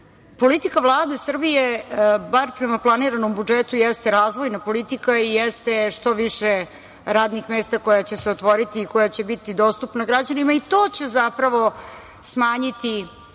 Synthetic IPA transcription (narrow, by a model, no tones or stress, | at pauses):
po̞lit̪ikaʋlˠaːd̪esr̩bijebaɾpɾemaplˠaniɾanombud͡ʒet̪ujɛst̪eɾaːzʋo̞jnapo̞lit̪ikaijɛst̪eʂt̪o̞ʋiʃe | ɾaːd̪nixmeːst̪ako̞jat͡ɕe̞seot̪ʋo̞ɾit̪iːkojat͡ɕe̞bit̪id̪o̞st̪upnaɡɾad͡ʑanimait̪oːt͡ɕezapɾaʋo̞ | smaːɲit̪i